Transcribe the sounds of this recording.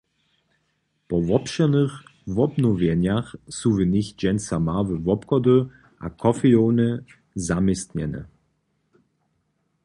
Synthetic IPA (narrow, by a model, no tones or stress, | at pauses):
pɔvɔpʃɛnəxvɔbnɔvʲjɛnjaxsuvənɪçd͡ʑɛnsamaːvəvɔpkɔd̪ə | ʔa̰kʰɔfijɔːnə | zamɪst̪ɲʲɛ̰nɛ̰